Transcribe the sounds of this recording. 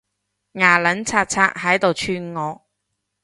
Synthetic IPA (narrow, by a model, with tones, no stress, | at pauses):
ŋaː˨˩lɐ˨˥nt͡sʰaː˧t̚t͡sʰaː˧k̚ɦɐ˨˥jt̪o˨wt͡ʃʰyː˧nŋɔː˨˧˥